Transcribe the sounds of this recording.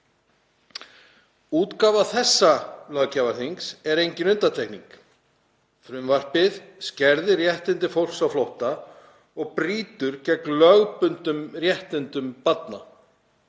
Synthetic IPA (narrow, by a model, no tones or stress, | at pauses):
uːt̪kaːvaθɛsːalœɣcavaɾ̥θiŋksɛɾejɲcɪnʏnt̪at̪ʰehknḭŋk | fɾʏmvar̥pɪðscɛɾðɪrjɛht̪ɪnt̪ɪfowl̥ksawflowht̪a | ɔɣpɾiːt̪ʏɾcɛklœɣpʏnt̪ʏmrjɛht̪ɪnt̪ʏmpat̪na̰